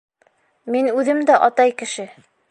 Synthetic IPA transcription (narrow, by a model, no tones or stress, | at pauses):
minʉðɘmd̪æʔɑt̪ɑjkɘ̆ʃɘ